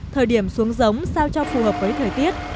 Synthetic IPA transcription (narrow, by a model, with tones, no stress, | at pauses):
t̪ʰəː˨˩jɗi˧˩əmsu˨˦əŋzə˨˦wŋ͡msaː˧wt͡ɕɔ˧wfu˨˩ɦəː˨˩p̚vəː˨˦jt̪ʰəː˨˩jt̪i˦˥ət̚